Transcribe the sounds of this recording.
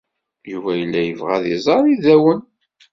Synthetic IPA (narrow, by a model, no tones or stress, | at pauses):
juvæjəlːæjəvʁæðizˤɑɾˤiðæwən